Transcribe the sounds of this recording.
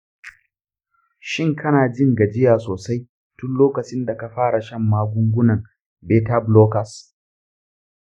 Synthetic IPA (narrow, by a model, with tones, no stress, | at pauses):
ʃɪ˦˨ŋkʰɐ˦naː˨d͡ʒɪ˦ŋɡɐ˨d͡ʒɪ˦jaː˨soː˨sa˦j | tʊ˦nloː˦kɐ˨t͡ʃɪ˦nda˨ka˨ɸaː˦ɽa˨ʃɐ˦mːaː˦ɡʷʊ˦ŋɡʷʊ˦nɐ˨ŋ | beː˦ta˦bloː˦kɐ˨s